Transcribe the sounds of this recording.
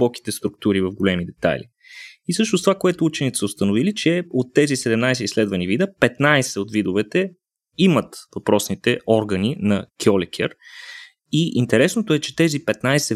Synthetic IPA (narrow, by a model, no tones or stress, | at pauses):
ɔk̟i̥t̪ɛst̪ɾʊk̚t̪uɾivəvɡolɛmid̪ɛt̪a̰lḭ | isɤʃnost̪ovakoɛt̪ʊut͡ʃɛnit̪ɛ̥səost̪ənovilit͡ʃɛot̪ːɛzisɛd̪ɛmnajsɛislɛd̪vɐnivid̪əpɛt̪najsɛot̪vid̪ovɛt̪ɛ | imət̪vɐpɾɔsnit̪ɛʔɔɾɡəninɐkʰʲɔlɛkʲʰɛ̰ɾ | iʔint̪ɛɾɛsnot̪oɛt͡ʃɛt̪ɛzipɛt̪najsɛ